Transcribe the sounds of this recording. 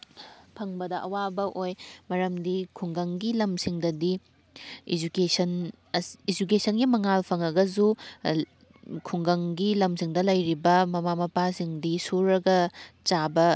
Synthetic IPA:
pʰɐŋbɐdɐʔɐwabɐʔojmɐɾɐmdikʰuŋɡɐŋɡilɐmsiŋdɐdi | ḭd͡ʒukesɐn | ɐid͡ʒukesʰɐnɡimɐŋalpʰɐŋɐɡɐzu | kʰuŋɡɐŋɡilɐmsiŋdɐlɐjɾibɐmɐmamɐpasiŋdisuɾɐɡɐt͡ʃabɐ

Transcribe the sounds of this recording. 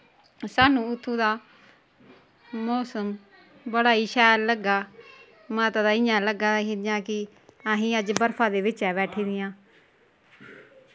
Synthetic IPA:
saːnũːʊt̪ʰːũːd̪aː | mɔːsəm | bəɽaːiːʃɛːlləɡaː | maːt̪ad̪aːɪɲãːləɡaːɦɪjãːkɪ | aɦĩːəd͡ʒbəɾfʰaːd̪eːʋɪt͡ʃɛːbɛːʈʰiːd̪ɪjãː

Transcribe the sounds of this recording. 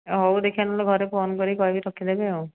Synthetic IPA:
ɦowd̪ekʰianɔleɡʱɔɾeponkɔɾikɔɦibitʰɔkʰid̪ebeow

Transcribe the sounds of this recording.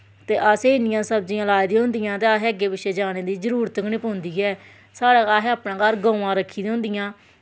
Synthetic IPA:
t̪eːʔəseːɪnɪjãːsəbd͡ʒiãːlaːid̪ĩːɦʊ̃nd̪ijãːt̪eːaɦeːəɡeːbɪʃeːd͡ʒaːneːd̪iːzəɾuːɾət̪əknĩːpõːnd̪iːɛː | saːɽeːaːɦːaːpnãːɡaɾɡõːãːɾəkʰːiːd̪ɦʊ̃nd̪ɪjãː

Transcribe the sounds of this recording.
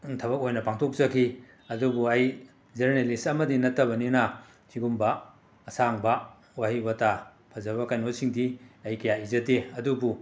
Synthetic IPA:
tʰɐβɐk̚ojnɐpaŋtʰok̚zɐkʰi | ɐdubuɐj | zeɾnelisɐmɐdinɐtːɐbɐninɐ | tʰiɡumbɐː | saŋbɐ | wahibɐtʰa | pʰɐzɐβɐkajnotsiŋdiɐjkɐjaizɐteɐdubu

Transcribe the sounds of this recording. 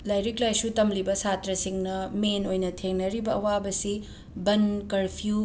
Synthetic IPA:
lajɾiklajsutɐmlibɐsatɾɐsiŋnɐmenojnɐtʰeŋnɐɾibɐɐwabɐsi | bɐnkɐɾpʰiu

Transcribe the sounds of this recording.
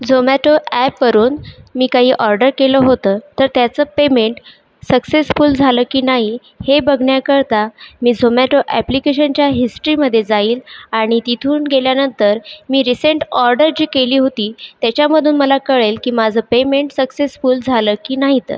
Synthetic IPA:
d͡zʱomæʈoʔæpʋəɾuːnmiːkaɦiːʔɔɾɖəɾkeləːɦot̪əːt̪əɾt̪jat͡səːpemeɳʈ | səksesfuːld͡zʱaləːkiːnaɦi | hebəɡʱɳjakəɾt̪amiːd͡zʱomæʈoʔæ̰plikeɕənt͡ɕjaɦisʈəɾiməd̪ʱːjed͡zaiːlaɽ̃it̪it̪ʰuːnɡeljanənt̪əɾmiːɾiseɳʈɔɾɖəɾd͡ʑiːkeliːɦot̪iːt̪jat͡ɕjaməd̪ʱuːnməlakəɭelkiːmad͡zʱəːpemeɳʈsəksesfuːld͡zʱaləːkiːnaɦit̪ə̰

